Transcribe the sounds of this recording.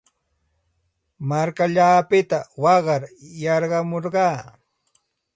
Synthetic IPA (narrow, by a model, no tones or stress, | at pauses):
maɾkaʎaːpɪt̪awɑɢɑɾjɑɾɢɑmoɾɢɑː